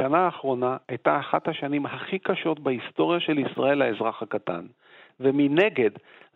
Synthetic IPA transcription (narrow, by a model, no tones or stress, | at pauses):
anaːχʁo̞naajtaːχat̪haʃanimɦaχikaʃo̞t̪baist̪o̞ʁjaʃe̞lisʁa̰e̞laezʁaχhakat̪a̰n | vemine̞ɡe̞d